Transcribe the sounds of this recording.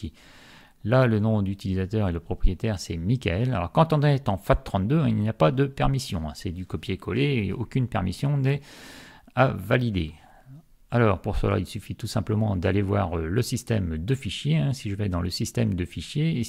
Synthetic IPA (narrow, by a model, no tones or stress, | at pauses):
lalənɔ̃d̪yt̪ilizat̪œʁeləpχɔpχijet̪ɛʁsɛmikʲaɛlalɔ̰ʁkɑ̃t̪ɔ̃nɛt̪ɑ̃fat̪̚ːχɑ̃t̪d̪øɛ̃ilnjapad̪əpɛʁmisjɔ̃ɛ̰̃sɛd̪ykɔpjekʰɔlḛːo̰kʲynpɛʁmisjɔ̃nɛ | avalid̪e | alɔʁpuʁsə̰la̰ilsyfit̪usɛ̃pləmɑ̃d̪alevwaʁøləsist̪ɛmd̪əfiʃjeɛ̃siʒəvɛd̪ɑ̃ləsist̪ɛmd̪əfiʃjeː